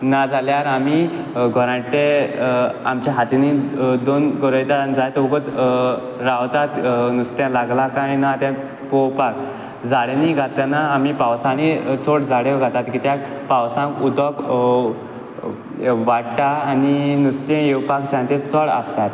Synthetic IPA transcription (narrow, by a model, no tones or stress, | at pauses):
nad͡zʱaljaɾami | ɡʱɔɾãʈe | amt͡ɕaɦat̪inid̪onkəɾəjt̪and͡zajt̪uɡət̪ | ɾawt̪at̪nust̪jãlaɡlakaninat̪jã | powpak̚ | d͡zaɽeniɡʱat̪anaːmipawsãnit͡soʈd͡zʱaɽjeɡʱat̪at̪kit̪jã | pawsãkud̪ɔk | ʋaɽʈaːninust̪ɛ̃jewpakt͡ɕãt̪et͡sɔɭa̰st̪at̪